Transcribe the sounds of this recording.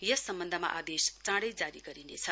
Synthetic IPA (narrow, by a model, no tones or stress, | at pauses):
jʌsʌmbʌnd̪ʱəmaʔad̪est͡sãɽʌjd͡zaɾiɡʌɾinet͡sʰʌ